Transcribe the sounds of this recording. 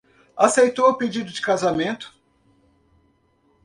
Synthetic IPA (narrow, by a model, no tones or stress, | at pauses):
asejt̪owʊped͡ʒid̪ʊd͡ʒɪkazamẽnt̪ʊ̥